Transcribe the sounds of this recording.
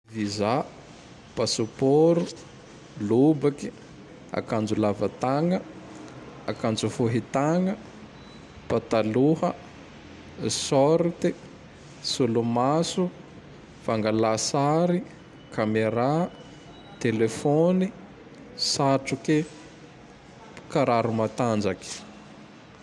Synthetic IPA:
viza | pasopoɾu | lubaki̥ | a̰kand͡ʒulavət̪aŋə | akand͡zufoɦit̪aŋə | pat̪aluhə | sɔɾt̪i | sulumasu | v̥aŋɡalasaɾi | kʰameɾa | t̪elefoni | saʈ͡ʂuki | kaɾaɾumat̪and͡ʒaki̥

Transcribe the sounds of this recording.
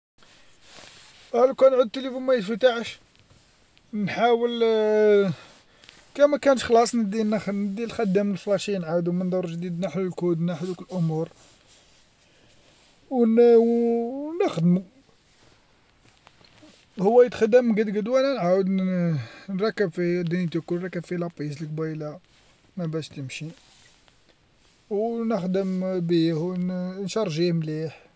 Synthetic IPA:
ʔælækænʕʊd̪̚t̪ːəlifunmæjəft̪aʕəʃ | nħawəl | kæmækænəʃxlɑsˤnəd̪innəd̪ːilxæd̪ːəməlflɑʃinʕawd̪umənd̪ˤoɾˤʒd̪id̪naħlulkud̪naħd̪ukəlʔʊmuɾ | wnwnəxd̪mu | hʊwːæjət̪xəd̪əmɡəd̪ɡəd̪wælænʕawəd̪ | nɾˤɑkːəbfid̪int̪ukulɾˤɑkːəbfilɑpis̬lək̚bæjla | mæbæʃt̪əmʃi | wnəxd̪əmbihwnʃɑɾˤʒihmliħ

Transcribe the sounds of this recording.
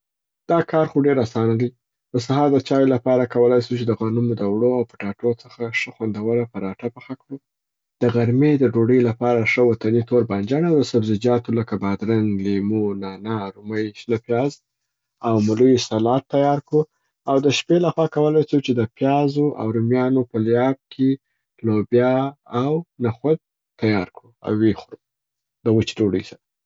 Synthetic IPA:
d̪̥ɑkɑɾxuɖeɾasɑnad̪i | d̪̥əsahɑɾd̪ət͡ʃɑjolapɑɾakawəlajsut͡ʃed̪əɣɑnumʊd̪awɽoawpəʈɑʈot͡səxaʂəxwand̪awəɾapəɾɑʈapəxakɽu | d̪̥əɣaɾmed̪əɖoɽəjlapɑɾaʂəwat̪anit̪oɾband͡ʒanawd̪əsabzɪd͡ʒɑt̪oləkabad̪ɾaŋlemonɑnaɾʊməjʃnapjɑz | awmʊlujisalɑt̪ːajɑɾkɽu | awd̪əʃpelaxwɑkawəlajsut͡ʃed̪əpjɑzoʔa̰wɾʊmjɑnopəljɑb̚kʰe | lobjɑːwnaxad̪̚ | t̪ajɑɾkɽua̰wwːexɾu | d̪əɣət͡ʃi̥doɖə̰jsaɾa

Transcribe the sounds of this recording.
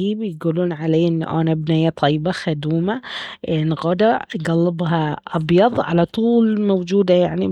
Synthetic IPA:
iːbejɡuluːnʕaleːjʔɪn̰ːʔæ̰ːnæbnæjæt̪ˤʰɑjːbɑxæd̪uːmæʔnɣɑːd̪ɑɡɑlːɪbɦɑʔɑbjɑd̪ˤʕa̰læt̪ˤuːlmowd͡ʒuːd̪æjaʕni

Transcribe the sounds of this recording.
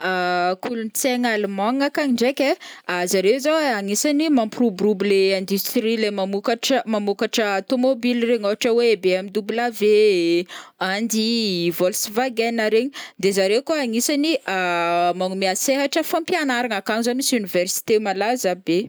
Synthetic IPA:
akulunt͡seŋalumaŋakaɲiɳɖ͡ʐekʲeazaɾewzaaŋisanimamprubɾubleɛ̃nd̪yst̪ɾilemamukaʈ͡ʂmamukaʈ͡ʂəat̪omobilireɲoaʈ͡ʂəweebeamid̪ublave | and̪ivolsvaɡenaɾeɲid̪ezaɾekaaŋisaniamaŋumiaseɦaʈ͡ʂəfãmpjanaɾaŋakaŋizanisynivɛrsi̥t̪emalazabe

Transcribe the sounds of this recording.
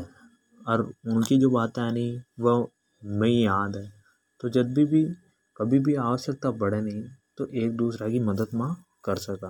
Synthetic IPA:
ɔːɾʊnkid͡ʒoːbaːt̪ɛnĩʋə | mẽĩjaːd̪ɦɛː | t̪od͡ʒɐbbʱibʱi | kɐbʱibʱiaːʋəʃjək̚t̪apɐɽenɐɦĩt̪oʔeːk̚d̪uːsɾakimɐd̪əd̪mã | kɐɾsɐkaː

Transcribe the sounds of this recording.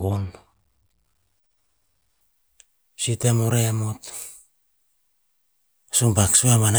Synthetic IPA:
on | sitemoɾeamot | sumbaksuamana

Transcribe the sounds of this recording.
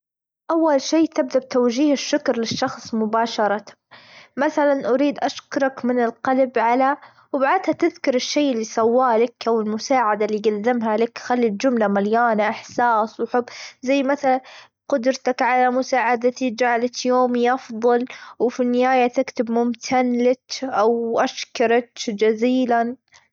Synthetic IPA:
ʔawːalʃeːt̪ɪb̚d̪ab̚t̪awd͡ʒiːhɪʃːʊkɾˤlɪʃːɑxsˤmʊbaːʃɑɾˤɑ | maθalanʔʊɾiːd̪ʔaʃkʊɾˤɑkmɪnɪlqɑlbʕala | wbaʕad̪hat̪ɪðkʊɾˤɪʃːeːʔɪlːisˤɑwːaːlɪkʔawɪlmʊsaːʕad̪alːiɡad̪ːɪmɦalɪkxalːild͡ʒʊmlamaljaːnaʔɪħsaːswħʊbːzajːmaθala | qʊd̪ɾt̪akʕalamʊsaːʕad̪at̪id͡ʒaʕalat̪joːmiʔɑfðˤɑlwfinːɪhaːjat̪ɪkt̪ɪbmʊmt̪ʰanlatʔawʔaʃkɑɾˤɑt̪d͡ʒaziːlan

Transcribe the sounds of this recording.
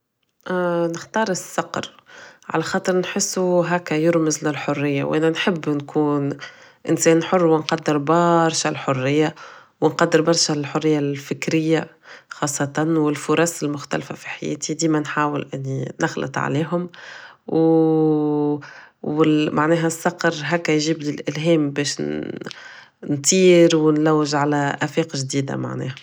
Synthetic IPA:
nɪxt̪ɑːɾˤɪsːɑqɾʕa̰læxɑːt̪ˤɨɾnħɪsːuɦæːkːæjʊɾmɪzlɪlħʊrːɪjːa̰wʔæːnænħɪbːnkʰuːn | ʔɪ̰nsɛːnħʊrːwɪnqɑd̪ːɪɾbɑɾˤʃalħʊrːɪjːawɪnqɑd̪ːɪɾbɑɾˤʃælħʊrːɪjːalfɪkɾɪjːa | xɑːsˤːɑt̪ɑnwɪlfʊɾˤɑsɪlmʊxt̪æ̰lfa̰fiħajɛ̰ːt̪id̪iːmænħaːwɪlʔɪnːinɑxlə̰t̪ˤʕa̰liːɦʊmw | ɪmʔaʕnɛːɦæsːɑqɾˤɦɛːkːæjʒiːblilʔɪlɦɛːmbɛːʃ | nt̪ˤiːɾwɪnlæwːɪʒʕalæʔæfiːqʒd̪iːd̪a̰ma̰ʕnɛ̰ːhæ

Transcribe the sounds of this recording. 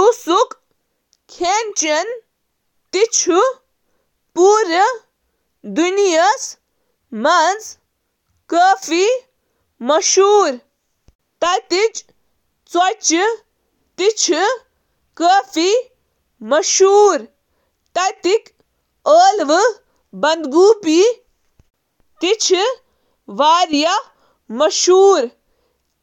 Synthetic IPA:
tusuk | kʰent͡ʃɐn | t̪it͡ʃʰu | puːɾɐ | d̪unijɐs | mɐnd͡z | kəːfi | mɐʃuːɾ | t̪ɐjt̪it͡ʃ | t͡sɐt͡ʃi | t̪it͡ʃʰi | kəːfi | mɐʃuːɾ | t̪ɐt̪ik | əːlʋɨ | bɐnd̪ɡuːpi | t̪it͡ʃʰi | ʋaːɾjɐ | mɐʃuːɾ

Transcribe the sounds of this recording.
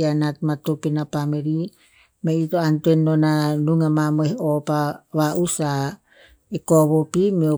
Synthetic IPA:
anatmatopinapameɾi | meitoantuenːonanuŋamamohopaβaʔusa | ekoβopimio

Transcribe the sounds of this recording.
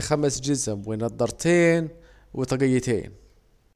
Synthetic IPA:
xæmæsd͡ʒəzəmwinɑd̪ˤːəɾˤt̪in | wit̪ˤɑɡijət̪ḭn

